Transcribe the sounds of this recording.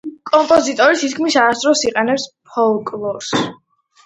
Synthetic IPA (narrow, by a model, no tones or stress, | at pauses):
kʼɔmpʼɔzit̪ʼɔɾisʰit̪kʰmisaːst̪ʼɾɔsiqʼɛnɛpspʰɔlˠkʼlˠɔɾs